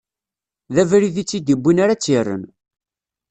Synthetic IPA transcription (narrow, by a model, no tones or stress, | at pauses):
ðævɾiðit͡sːid̪ibːinaɾat͡sːirːə̰n